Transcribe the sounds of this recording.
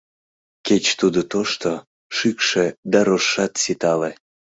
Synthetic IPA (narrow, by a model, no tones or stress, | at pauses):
ket͡ɕt̪ud̪ot̪oʃt̪o | ʃykʃed̪ɑɾoʃːɑt̪sit̪ɑle